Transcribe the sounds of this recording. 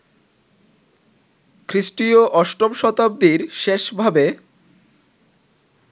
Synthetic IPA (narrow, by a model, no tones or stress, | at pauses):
kʰɾiʃʈioʔɔʃʈomʃɔt̪ab̚d̪iɾʃeʃbʱabe